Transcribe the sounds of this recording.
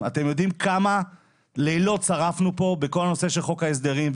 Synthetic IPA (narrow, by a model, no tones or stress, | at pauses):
ate̞mjo̞dimkʰama | lejlo̞tt͡saʁafnupo̞beko̞lno̞se̞ʃelχo̞kaes̬d̪eʁimv